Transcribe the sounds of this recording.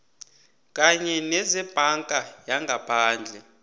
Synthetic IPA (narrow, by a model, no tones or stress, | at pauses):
kʼaɲɛnɛzɛb̥ʱaŋkʼajaŋɡʱapʰaːnd͡ɮʱɛ